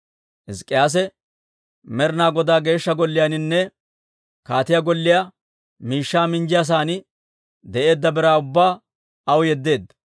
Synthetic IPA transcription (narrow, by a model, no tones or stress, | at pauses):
ʔɪskʼːɪjaːs̬ɛ | mɛɾɪnaːɡɔd̪aːɡe̞ːʃːɐɡɔlːɪjanɪnːɛ | kaːt̪ɪjaɡɔlːɪja | miːʃːaːmɪnd͡ʒɪjas̬aːnɪ | d̪ɛʔe̞ːd̪ːɐbɛɾaːʊbːaː | ɐwjɛd̪ːe̞ːd̪ːɐ̥